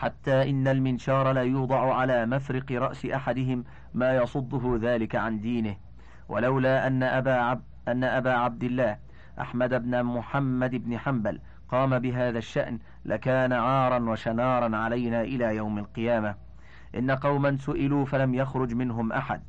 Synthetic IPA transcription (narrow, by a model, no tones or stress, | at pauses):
ħat̪ːaːʔɪnːalmɪnʃɑːɾˤɑlaːjuːd̪ˤɑʕʊʕalaːmafɾɪqɨɾˤɑʔsɪʔaħad̪ɪɦɪmː | aːjɑsˤʊd̪ˤːʊɦʊðaːlɪkaʕand̪iːnɪh | wʔa̰lawlaːʔanː | ʔanːaʔabaːʕab̚d̪ɪlːaːh | ʔa̰ħmad̪abnamʊħamːad̪ɪbnɪħambal | qɑːmabɪɦaːðaʃːa̰ʔn | lʔakaːnaʕɑːɾˤɑnwaʃanɑːɾˤɑnʕalajnaːʔɪlaːjawmalqɨjaːma | ʔɪ̰nːaqɑwmansʊʔɪluːfalamjaxɾˤʊd͡ʒmɪnɦʊmʔa̰ħa̰d̪̚